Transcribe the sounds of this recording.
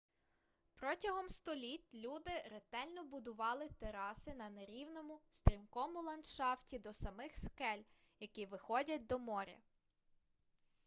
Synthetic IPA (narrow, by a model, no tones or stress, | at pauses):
pɾɔtʲɐɦɔmst̪ɔlʲit̪ʲlʲud̪ɪɾet̪ɛlʲnɔbʊd̪ʊʋɑlˠɪt̪eɾɑsɪnɐneɾʲiwnɔmʊst̪ɾʲimkɔmʊlˠɐnʃɑftʲid̪ɔsɐmɪxskɛlʲ | jɐkiʋɪxɔdʲɐt̚ʲd̪ɔmɔɾʲɐ̰